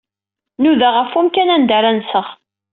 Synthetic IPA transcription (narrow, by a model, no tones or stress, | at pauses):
nuðaʁəfumkænænd̪aɾænsəʁ